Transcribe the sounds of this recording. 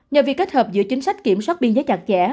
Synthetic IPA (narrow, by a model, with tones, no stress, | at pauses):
ɲə˨˩vi˨˩kːe˦˥t̚həː˨˩p̚zɨ̰˧˥ət͡ɕï˨˦ŋ̟sa˦˥jk̟̚ki˧˩əmswaː˦˥t̚ɓi˧nzəː˨˦jt͡ɕa˨˩k̚t͡ɕɛ̰˧˩˥